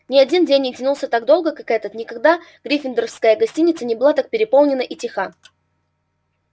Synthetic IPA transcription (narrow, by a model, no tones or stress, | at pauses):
nʲɪɐdʲindʲenʲːɪtʲɪnulˠsʲət̪aɡd̪o̞lˠɡəkakɛt̪ət̪nʲɪkɐɡd̪aɡ̥ɾʲifʲɪnd̪əɾəfskəjəɡɐsʲtʲinʲɪt̪sənʲɪbɨlˠat̪ak̚pʲɪɾʲɪpolˠnʲɪnəʔitʲɪxa